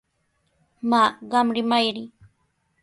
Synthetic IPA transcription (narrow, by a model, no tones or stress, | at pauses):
maːɢɑmɾɪmajɾɪ